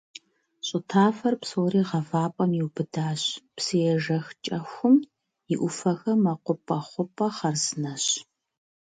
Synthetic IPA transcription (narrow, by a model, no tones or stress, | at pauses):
ɕʼɪtʰaːfɐrpsoːriːʁɐvaːpʼɐmjiwbɨdaːɕpsɨjɛʒɐxt͡ʃʼɐxʷʊm | jɪʔʷʊfɐxɐmɐqʷʊpʼɐχʷʊpʼɐχɐrzɨnɐɕ